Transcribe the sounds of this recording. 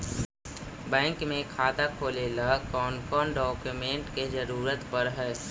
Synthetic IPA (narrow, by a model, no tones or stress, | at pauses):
bɛ̃ːŋkmẽkʰaːt̪akʰoːlelakɔːnkɔːnɖɔːkjumẽːɳʈked͡ʒəɾuːɾət̪pəɾɦɛː